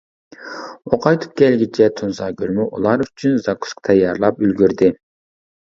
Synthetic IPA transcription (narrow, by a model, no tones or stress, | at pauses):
oqʰɑjt̪ʰɨ̥p̚kʲɛlɡʲit͡ʃʰɛt̪ʰunsɑːɡʲyɾmyʔṵlˠɑɾyt͡ʃʰynzɑkʰu̥sqt̪ʰɑjɑɾlˠɑpylɡʲyɾd̪ɪ